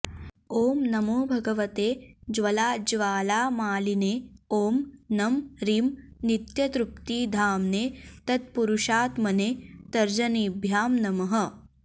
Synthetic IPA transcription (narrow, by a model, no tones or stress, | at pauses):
oːmnɐmoːbʱɐɡɐʋɐt̪eːd͡ʒʋɐlaːd͡ʒʋaːlaːmaːlineːoːmnɐmɾiːmnit̪jɐt̪ɾup̚t̪iːd̪ʱaːmneːt̪ɐt̪̚puɾuʃaːt̪mɐneːt̪ɐɾd͡ʒɐniːbʱjaːmnɐmɐɦɐ̆